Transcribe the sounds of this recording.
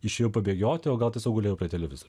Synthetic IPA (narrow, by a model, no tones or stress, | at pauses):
ɪʃʲeːjoʊpɐbʲeːɡʲoːt̪ʲɪoːɡɐlˠt̪ʲiɛsoːkɡʊlʲeːjɛʊpʲɾʲiɛt̪ʲɛlʲɛʋʲɪzoɾʲ